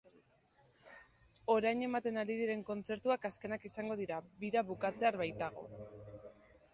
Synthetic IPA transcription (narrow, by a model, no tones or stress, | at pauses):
o̞ɾajne̞mat̪e̞nald̪iðiɾe̞ŋko̞nt͡se̞ɾt̪uakaske̞nakisaŋɡo̞ð̞iɾaβiɾaβukat͡se̞aɾβajt̪aɣ̞o̞̰